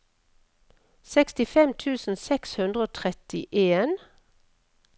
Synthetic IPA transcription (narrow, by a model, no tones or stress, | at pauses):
sɛkst̪ɪfɛmt̪ʰʉːsn̩sɛkshʉnd̪ʁəoːt̪ʰʁɛt̪ɪʔeːn